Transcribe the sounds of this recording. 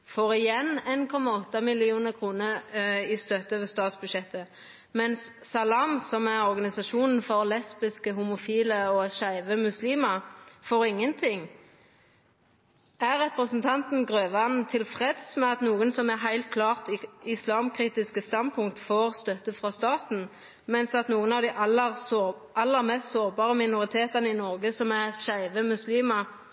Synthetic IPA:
foːʁɪjɛnenkʰɔmːɑɔt̪ːɑmɪlɪuːnəʁkʰʁuːnəʁɪst̪œt̪ːəʋəst̪ɑːt̪sbʉʃɛt̪ːə | mɛnsːɑlɑːmsɔmæʁɔʁɡɑnɪsɑʃuːnn̩fɔʁlɛspɪskəhumʊfiːləɔʃæɪʋəmʉsliːmɑfoːʁɪŋːənt̪ʰɪŋ | æʁːɛpʁəsn̩t̪ʰɑnt̪n̩ɡʁøːʋɑnt̪ʰɪlfʁeːd̪smɛɑt̪nuːənsɔmæʁɦæɪlt̪̚kʰlɑːʁt̪ɪslɑːmkʰʁiːt̪ɪskəst̪ɑnd̪pʰʊŋkt̪foːʁst̪œt̪əfʁɑst̪ɑːt̪n̩ | mɛnsɑt̪nuːənɑːʋd̪ɪʔɑləʁ | ʔɑlːəʁmɛst̪soːʁbɑːʁəmɪnʊʁɪt̪ʰeːt̪ɑnəɪnɔʁɡəsɔmæʁʃæɪʋəmʉsliːmɑ

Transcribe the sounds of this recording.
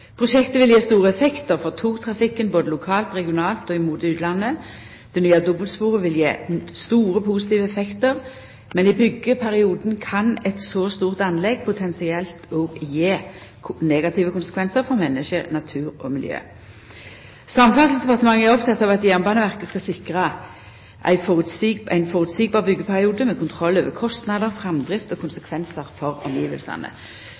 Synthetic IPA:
pʰʁʊʃɛkt̪əʋɪljeːst̪uːʁəɛfɛkt̪əʁfɔʁt̪ʰuːʁt̪ʰʁɑfɪkːənboːd̪əlʊkʰɑːlt̪ʁɛɡɪʊnɑːlt̪ɔːɪmuːt̪ʉːt̪lɑnːə | d̪̥ɛnyːɑd̪ɔbəlspuːʁəʋɪljḛːst̪uːʁəpʰusɪt̪iːʋəɛfɛkt̪əʁ | mɛnɪbʏɡːəpʰæʁɪuːd̪nkʰɑnɛt̪sɔst̪uːʁt̪ɑnlɛɡ̚pʰʊt̪ʰɛnsɪɛlt̪oːɡjeː | neːɡɑt̪ʰiːʋəkʊnsə̥kʰʋɛnsəʁfɔʁmɛnːəʃənɑt̪ʰʉːʁɔ̰mɪljø̰ː | sɑmfɑlsl̩sd̪ɛpɑʁt̪əmɑŋːəæʁɔpt̪ʰɑt̪ːɑːʋɑt̪jɛːnbɑːnəʋæʁkəskɑsɪkʁɑ | ʔæ̰ɪfɔʁʉt̪sʔæ̰ɪnfɔʁʉt̪siːɡ̚bɑːʁbʏɡːəpʰæʁɪuːd̪əmɛkʰʊnt̪ʰʁɔlːøːʋəkʰɔst̪nɑd̪əʁfʁɛmd̪ʁɪft̪ɔkʰʊnsəkʰʋɛnsəʁfɔʁɔ̰mjiːʋə̰lsɑ̰nə̰

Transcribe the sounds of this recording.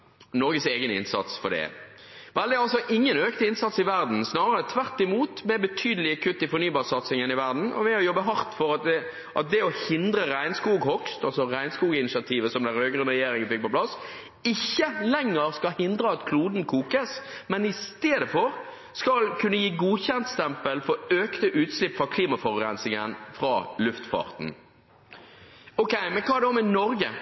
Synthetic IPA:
nɔɾɡəseːɡənɪ̰nsɑ̰t̪sfɔ̰ɖ̪ɛ̰ | ʋɛld̪ɪɑlsɔʔɪŋːənøːknəɪnsɑt̪sɪʋæɾd̪n̩snɑːɾəɾət̪ʰʋæʁt̪ɪmuːt̪mɛbət̪ʰyːd̪əlɪəkʰʉt̪ːɪfɔɾnyːbɑːʁsɑt̪sɪŋənɪʋæʁd̪n̩ʔɔ̰ʋɛɔjɔbːəɦɑɾt̪fɔɾɑt̪̚d̪ɛ | ʔɑ̰t̪̚d̪ɛɔhɪnd̪ɾəɾæɪnskuːɡhɔkst̪ɑlsɔɾæɪnskuːɡɪnɪsɪɑt̪ʰiːʋəsɔmd̪ɛɾøːɡɾʉnʁɛjeːɾɪŋənfɪk̚pɔplɑs | ɪçːəlɛŋːəɾskɑlhɪnd̪ɾəɑt̪kʰluːd̪n̩kʰuːkəsmɛnɪst̪eːd̪əfɔɾ | skɑlkʰʉnːəjiːɡuːçɛnt̪st̪ɛmpəlfɔøːkt̪əʔʉːt̪slɪpːfʁɑkʰliːmɑfɔʁɾɛnsɪŋənfɾɑ̰ːlʉft̪fɑ̰ːʁt̪n̩ | ɔkɛɪmɛnkʰɑːd̪ɛɔmɛnɔɾɡə

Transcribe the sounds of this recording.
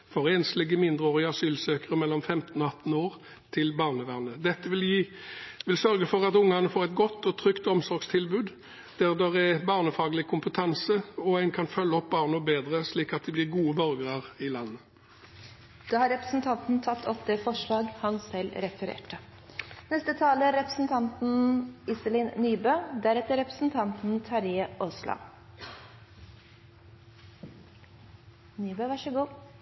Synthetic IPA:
fɔʁeːnslɪɡːəmɪnd̪ʁəoːʁɪɑsyːlsøːkəʁəmɛlːɔmfɛmt̪n̩ɔɑt̪n̩oːʁ | t̪ʰɪlbɑːʁnəʋæʁnəd̪ɛt̪ːəʋɪl | ʋɪlsœʁɡəfɔʁɑt̪ʊŋːɑnəfoːʁɛt̪ɡɔt̪ːɔt̪ʰʁʏkt̪ɔmsɔɾɡst̪ʰɪlbʉːd̪ | d̪̥æʁd̪ɛʁɛbɑːʁnəfɑːɡəlɪkʰʊmpət̪ʰɑnsəɔæɪnkʰɑnfœlːəɔp̚bɑːʁnɔbeːd̪ʁəsliːkɑt̪̚d̪ɛblɪʁɡuːəbœɾɡəʁɑʁɪlɑnːə | d̪̥ɑːhɑɾɛpɾəsn̩t̪ʰɑnt̪n̩t̪ʰɑt̪ʰːɔt̪̚d̪ɛfɔʂɭɑːɡhɑnsɛlɾɛfəɾḛːʈə | nɛst̪ət̪ʰɑːləɾɛpɾəsn̩t̪ʰɑnt̪n̩ɪsəlɪːnnyːbøːd̪æɾɛt̪əɾɛpɾə̥sn̩t̪ʰɑnt̪n̩t̪ʰɑɾɪəʔoslɑ̰ | nyːbøːʋɑʂəɡuː

